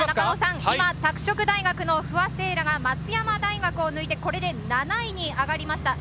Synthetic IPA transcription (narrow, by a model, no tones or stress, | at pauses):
aanosãŋimat̪akɯ̟̥ɕo̞kɯ̟d̪aiɡakɯ̟no̞ɸɯ̟ase̞ːɾaɡamat͡sɨjamad̪aiɡakɯ̟o̞nɯit̪e̞ko̞ɾe̞d̪e̞nanaiɲ̟iaɡaɾʲimaɕi̥t̪a